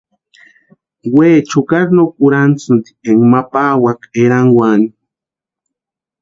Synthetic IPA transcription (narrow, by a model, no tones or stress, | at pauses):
weːt͡ʃukaɾnokuɾant͡sund̪i̥eŋmapaːwakeɾaŋwani